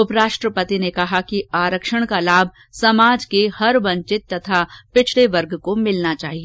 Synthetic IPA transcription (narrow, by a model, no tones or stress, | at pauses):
ʊpɾaːʃʈɾəpət̪inekɐɦakiaːɾəkʃəɽ̃kalaːbʱ | sɐmaːd͡ʒkehɐɾʋɐ̃ɲt͡ʃɪt̪ːɐt̪ʰapɪt͡ʃʰleʋɐɾɡkomɪlnat͡ʃa̰ːɦie